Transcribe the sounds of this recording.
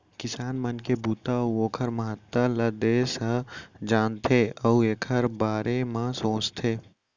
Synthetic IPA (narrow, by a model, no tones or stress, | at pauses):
kɪsaːnmɐnkebuːt̪auoːkʰəɾmɐɦət̪ːalɐd̪eːsəd͡ʒaːnt̪ʰeːəeːkʰəɾbaːɾemãsõːt͡ʃt̪ʰeː